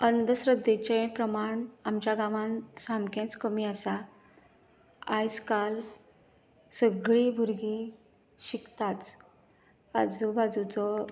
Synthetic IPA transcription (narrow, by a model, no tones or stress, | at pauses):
ənd̪əsɾəd̪et͡ɕẽpɾəmaɳamt͡ɕjaɡaʋãnsamkẽt͡skəmiasa | ajd͡zkal | səɡɭibʱuɾɡi | ɕikt̪at͡s | a̰d͡zubad͡zut͡sɔ